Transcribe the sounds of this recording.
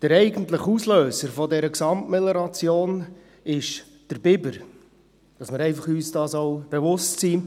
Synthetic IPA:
d̥əɾɛɪɡəntləχusløːsəɾfɔdɛɾəksɑmtmɛlɛɾɑt͡sjoːn | ɪʃ | d̥əɾbɪbəɾ | d̥ɑsmɪɾɛɪfɑχyːsd̥ɑːsoʊb̥evʊstsiː

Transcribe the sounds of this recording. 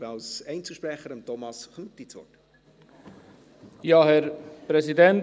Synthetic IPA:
ɑlsɛɪnt͡suʃpɾɛχəɾəmtʰɔmɑsχnut̪ːit͡svɔ̰t | jɑːhɛɾpɾɛsidɛn

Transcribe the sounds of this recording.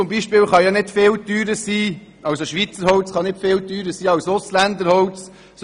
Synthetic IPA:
ʊmbiːʃpɪːlwχɑjɑnɪd̥fɪːlt̪yːɾəsiː | ʔɑwsoʃʋit͡səɾhɔwt͡sχɑnɪdfɪːlt̪yːɾəsiːɑwsoslænd̪əɾhɔwt͡s | s

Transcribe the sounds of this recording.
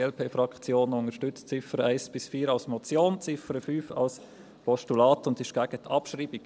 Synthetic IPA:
ɛlpʰeːfɾɑkt͡sjoːnʊŋəʃtʏt͡st͡sɪfəɾəæɪsb̥ɪsfiːəɾɑlsmɔt͡sjoːnt͡sɪfəɾəfyːfɑ̰ls | pʰɔʃtulɑːtʊndɪʃɡ̥æɡ̥ətʰɑpʃɾiːbik

